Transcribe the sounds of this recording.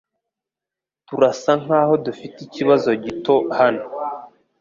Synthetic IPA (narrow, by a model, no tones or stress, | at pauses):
tuɾasaŋ̥haːho̞dufiticiβazo̞ɟito̞hano